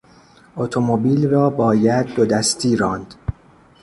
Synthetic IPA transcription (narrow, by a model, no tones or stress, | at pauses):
ʔot̪ʰomobiːlrɒːbɒːjæd̪̚ːod̪æst̪ʰiːɾɒːnd̪̥